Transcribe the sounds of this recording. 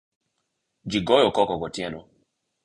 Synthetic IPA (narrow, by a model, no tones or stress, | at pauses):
d͡ʒiɡɔjɔkɔkɔɡɔtjɛnɔ